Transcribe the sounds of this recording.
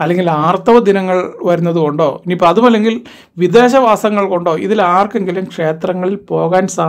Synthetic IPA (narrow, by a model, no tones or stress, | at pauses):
ɐlːeŋɡilaːrt̪ɐʋɐd̪inɐŋːɐɭʋɐɾunːɐðuko̞ɳɖo̞ːniːpːoɐðumɐlːe̞ŋɡil | ʋid̪e̞ːɕɐʋaːsɐŋːɐɭko̞ɳɖo̞ːʔḭðilaːrke̞ŋɡilumkʂe̞ːt̪rɐŋːɐɭilpo̞ːɣaːnsa